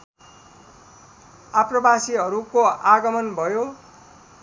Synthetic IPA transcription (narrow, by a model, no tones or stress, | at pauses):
aprʌbasiɦʌɾukoaɡʌmʌnbʱʌjo